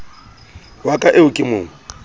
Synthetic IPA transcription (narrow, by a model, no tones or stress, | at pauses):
wakʼaʔeʊkʼɪmʊːŋ̩